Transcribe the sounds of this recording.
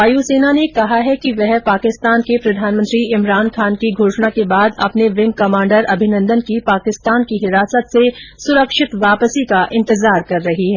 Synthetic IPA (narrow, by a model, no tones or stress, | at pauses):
aːjuseːnanekɐɦaɦɛkiʋɛɦpaːkɪst̪aːnkepɾɐd̪ʱaːnmə̃nt̪ɾiɪmɾaːnkʰaːnkiɡʱoːʃnakebaːd̪ɐ̰pneʋɪ̃ŋɡkɐmãːɳɖəɾɐbʱɪnə̃nd̪ənkipaːkɪst̪aːnkiɦɪɾaːsət̪sesʊɾəkʃɪt̪ʋaːpəsikaʔɪ̃nt̪ɪzaːɾkɐɾːɐɦiɦɛ̃ː